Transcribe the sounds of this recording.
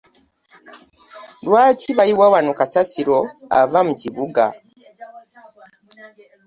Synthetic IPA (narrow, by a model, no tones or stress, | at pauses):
lwaːciβajiwawanokasasiɾo̞a̰vamuciβuɡa̰